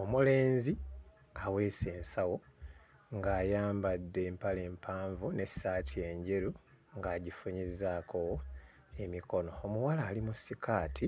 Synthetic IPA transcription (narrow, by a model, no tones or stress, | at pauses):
omule̞ːnzi | awe̞ːse̞ːnsawo̞ | ŋɡaːjaːmbadːe̞ːmpaleːmpʰaːɱvune̞saːtʰie̞ɲɟe̞ɾu | ŋɡaːɟifuɲizaːkʰo | e̞miko̞no̞omuwalaːlimusikʰaːtʰi